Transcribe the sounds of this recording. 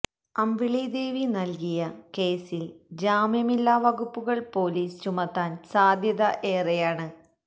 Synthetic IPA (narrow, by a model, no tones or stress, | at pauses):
ɐmʋiɭid̪e̞ːʋinɐlkijɐke̞ːsild͡ʑaːmjɐmilːaːʋɐɣupːuɣɐɭpo̞ːliːst͡ɕumɐt̪ːaːnsaːd̪ʱjɐðɐʔeːrejaːɳɨ